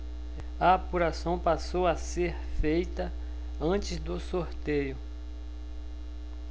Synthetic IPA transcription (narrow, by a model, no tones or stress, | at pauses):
ɐapuɾasɐ̃w̃pasowaseɾfejt̪ɐ | ɐ̃t͡ʃɪzd̪ʊsoɾt̪ejʊ